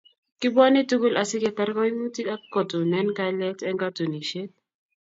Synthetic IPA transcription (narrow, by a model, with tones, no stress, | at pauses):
kɪ˦bɔ˦nɪ˦tu˦ɡu˦lʔa˨sɪ˦kɛ˨t̪a˦ɾkɔ˦i˦mu˦ti˦a˦ko˨to˨nɛ˦nka˦lɛ˦tɛ˦ŋɡa˦tu˨ni˨ʃe˦t̚